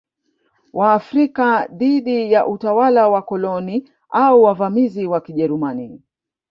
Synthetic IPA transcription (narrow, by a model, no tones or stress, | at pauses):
wʔaːfɾikaðiɗijaʔutawalawakɔlɔni | auwavamiziwakiʄɛɾumani